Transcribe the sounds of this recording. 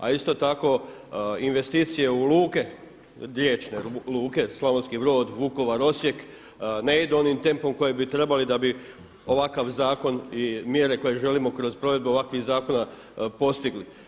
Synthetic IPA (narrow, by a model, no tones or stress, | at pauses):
a̰ist̪o̞t̪ako̞inʋe̞st̪iːt̪sije̞uluːke̞ | ɾjet͡ʃne̞luːke̞slˠamonskibɾo̞ːd̪ʋuko̞ʋaɾo̞sje̞k | neid̪uo̞nimt̪e̞mpo̞mko̞jebit̪ɾe̞balid̪abi | o̞ʋakaʋzaːko̞nimje̞ɾe̞ko̞je̞ʒe̞limo̞kɾo̞zpɾo̞ʋe̞d̪̚beo̞ʋakʋiɣzaːko̞na | po̞st̪iɡli